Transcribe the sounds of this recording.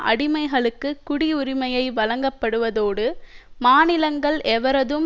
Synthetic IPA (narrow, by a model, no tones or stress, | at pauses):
ʔɐ̰ɽɪmɐɪɣɐɭɯkːɯkːʊɽɪʊɾɪmɐjɐɪʋɐlɐŋɡɐpːɐɽɯʋɐðoːɽɯmaːnɪlɐŋɡɐɭɛʋɐɾɐðɯm